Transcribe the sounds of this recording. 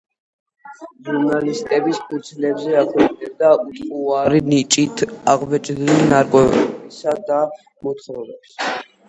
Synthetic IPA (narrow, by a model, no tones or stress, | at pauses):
ʒuɾnalist̪ʼɛbispʰʼut̪sʰlɛbzɛakʰwɛkʼnɛb̚d̪aut̪ʼqʼuaɾinit͡ʃʼit̪ʰaʁvɛt͡ʃʼd̪ilnaɾkʼwɛsad̪a | mɔt̪ʰχɾɔvɛps